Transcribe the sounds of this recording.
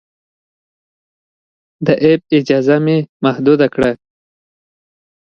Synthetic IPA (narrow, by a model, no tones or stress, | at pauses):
d̪əʔeb̚ɪd͡ʒɑzamemahd̪ud̪akɽa